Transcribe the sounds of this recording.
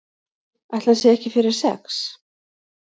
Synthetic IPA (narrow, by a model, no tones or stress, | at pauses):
ajht̪lansɛðɛhcɪfɪɾɪɾ̥sɛ̰ks